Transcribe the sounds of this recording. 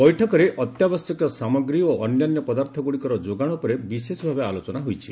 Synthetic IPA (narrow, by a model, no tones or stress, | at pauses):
bɔjʈʰɔkɔɾeʔɔt̪jabɔsjɔkɔsamɔɡɾioʔɔnjanjɔpɔd̪aɾt̪ʰɔɡuɽikɔɾɔd͡ʒoɡaɽ̃upɔɾebisesɔbʱabealot͡ʃɔnaɦujt͡ʃʰi̥